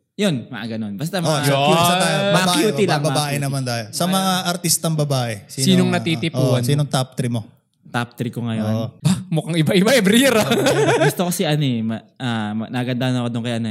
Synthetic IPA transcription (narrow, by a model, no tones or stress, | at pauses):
jonmɐʔaɡɐnonbɐst̪amoɐt̪ajomɐbaːkuːilɐbɐbaːʔɛnɐmant̪aːjosɐmɐŋaʔɐɾt̪ist̪ɐŋbɐbaːʔɛsisːniːnoŋnɐt̪iːt̪ɪpʔunsiːnoŋt̪ap̚t̪ɾimo | t̪ap̚t̪ɾɪkoŋɐjonʔbamʊkaŋɪbaʔɪbaʔɛbɾiːɾɐɡʊst̪okosiʔɐnomɐʔamɐnɐɡɐnd̪ahɐnɐkod̪oŋkɐjʔɐno